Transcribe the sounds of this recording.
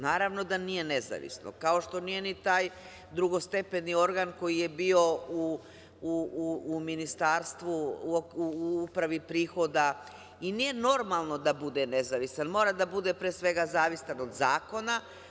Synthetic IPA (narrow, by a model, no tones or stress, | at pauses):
naːɾaʋno̞d̪anije̞ne̞za̰ʋḭsno̰kao̞ʃt̪o̞nije̞nit̪aːj | d̪ɾuɡo̞st̪e̞pe̞nio̞ɾɡaːnko̞jije̞bio̞u | uuːminist̪aːɾst̪ʋuouupɾaʋipɾiːxo̞d̪a | inije̞no̞ɾmalˠno̞d̪abud̪ene̞zaʋisanmo̞ɾad̪abud̪e̞pɾeːsʋe̞ɡazaːʋisano̞d̪zaːko̞na